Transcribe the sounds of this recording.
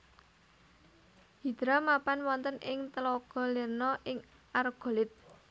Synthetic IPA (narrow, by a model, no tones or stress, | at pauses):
hi̤d̪̥ɾamapanwɔnt̪ənɪŋt̪əloɡ̥ɔ̤lirnɔʔɪŋ | ʔarɡ̥o̤lɪt̪̚